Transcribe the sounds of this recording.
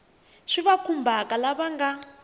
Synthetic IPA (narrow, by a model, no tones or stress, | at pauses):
ʂiβakʰumbʱakalaβaŋɡa